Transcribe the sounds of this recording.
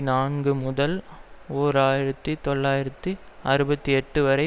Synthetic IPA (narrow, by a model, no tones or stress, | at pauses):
naːnɡɯmʊðɐloːɾaːjɪɾɐt̪ːit̪ɔɭːaːjɪɾɐt̪ːɯ | ɐɾɯbɐt̪ːiɛʈːɯʋɐɾɐɪ